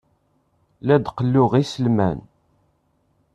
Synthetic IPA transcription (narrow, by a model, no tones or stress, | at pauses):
læd̪qəlːʊʁisəlmæn